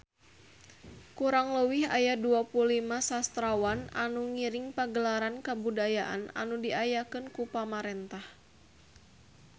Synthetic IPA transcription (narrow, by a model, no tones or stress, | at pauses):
kuɾaŋləwiha̰jaduapuulimasast̪ɾawananuŋiɾɪŋpaɡəlaɾankabudajaʔa̰na̰nudiajakɨnkupamaɾɛnt̪ah